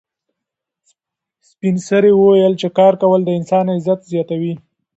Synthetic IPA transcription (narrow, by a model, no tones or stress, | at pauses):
spinsəɾewəwajəlt͡ʃekɑɾkawəld̪əɪnsɑnaɪzat̪zjɑt̪awi